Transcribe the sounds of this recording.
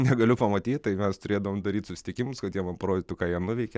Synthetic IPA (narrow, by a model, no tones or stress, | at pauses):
nʲɛɡɐlʲʊpɐmɐt̪ʲiːtt̪ɐɪmʲɛst̪ʊɾʲeːd̪ɐʋoːmd̪ɐɾʲiːt̪sʊsʲɪ̥t̪ʲɪkʲɪmʊskɐt̪jiɛmɐnpɐɾoːd̪ʲɪt̪ʊkɑːjiɛnʊʋʲɛɪkʲɛ